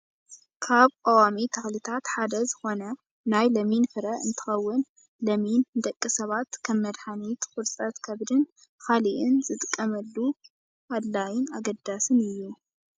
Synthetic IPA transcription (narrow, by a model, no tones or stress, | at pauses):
kʰaβkʼawamit̪ʰɐxlit̪ʰat̪ħad̪ɐzɨxo̞nɐ | najlɐminfɨɾɐʔɨ̰nt̪ʰɨ̥xɐwːʊn | lɐmind̪ɐkʼːisɐβat̪kʰɐmːɐd̪ħanit̪kʰʼʊɾsʼɐt̪kʰɐβd̪ɨn | kaliʔɪnzɨt̪ʼɨkʼːɐmɐlːu | ad̪lajɪnaɡɐd̪asɨnɨjːu